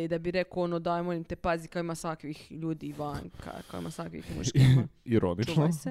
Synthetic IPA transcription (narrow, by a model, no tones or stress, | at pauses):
id̪abiɾekoonod̪aemolimt̪epazikaoimasʋakʋixʎuːd̪iʋaŋka̰ka̰oḭmasʋakʋḭxmṵʃkiɾonit͡ʃno